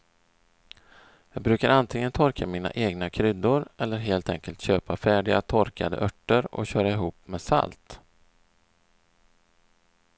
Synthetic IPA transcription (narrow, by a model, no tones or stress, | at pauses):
jɑːɡ̚bɾʉ̟ːkaɾant̪ʰɪŋənt̪ʰɔɾkʰamiːna̰ʔeːɡnakʰɾʏd̪ːʊɾɛlːəɾɦeːlt̪ʰɛŋkəlt̪ɕøːpafæːɖɪa̰t̪ʰɔɾkad̪ə̰ʔœʈːəɾɔ̰ɕœːɾaɪɦuːpmeːsa̰lt̪